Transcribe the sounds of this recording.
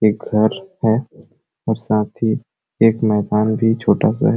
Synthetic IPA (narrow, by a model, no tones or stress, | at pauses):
eːk̚ɡʱɐɾhɛ | ɔːɾsaːt̪ʰi | eːkmɛːd̪aːnbʱit͡ʃʰoːʈasa̰ɦɛ